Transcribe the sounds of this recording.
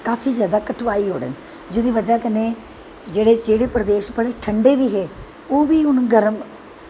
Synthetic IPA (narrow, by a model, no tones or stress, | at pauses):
kaːpʰiːzjaːd̪aːkəʈʰʋaːiːɦo̰ːɽə̰ːn | d͡ʒoːd̪iːʋəd͡ʒaːkəneː | d͡ʒeːɽeːd͡ʒeːɽeːpɾəd̪eːʃpəleːʈʰəɳɖeːʋiːɦeː | oːʋiːʊnɡəɾəm